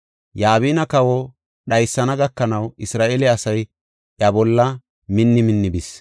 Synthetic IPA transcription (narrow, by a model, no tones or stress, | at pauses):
jaːβiːnɐkɐwɔ | ɗɐjsːɐnɐɡɐkːɐnɐwɪsɾaːʔelɛɐsɐj | ʔjɐbɔlːɐ | mɪnːɪmɪnːɪbɪs